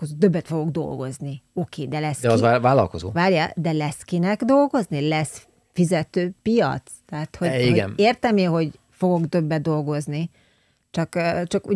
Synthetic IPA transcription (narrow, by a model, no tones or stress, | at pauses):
kozod̪øbːɛt̪fo̞ɡo̞ɡd̪o̞̰lɡo̞̰znio̞keːd̪ɛlɛsd̪ɛɒzavaːlɒ̰lko̞zo̰ːvaːrjad̪ɛlɛskinɛɡd̪o̞lɡo̞znilɛs | fizɛt̪øːpijɒ̰t̪st̪ɛɦat̪ho̞iɡɛneːrt̪ɛmiɦo̞ɟ | fo̞ɡo̞ɡd̪ø̞bːɛd̪̚d̪o̞lɡo̞zni | t͡ʃɒkːt͡ʃɒkṵ